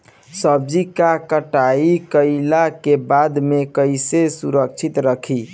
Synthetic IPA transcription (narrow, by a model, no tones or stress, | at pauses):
səb̚d͡ʒikakəʈaikəɪlakebad̪mekəɪsesuɾək̚t͡ʃʰit̪ɾəkʰi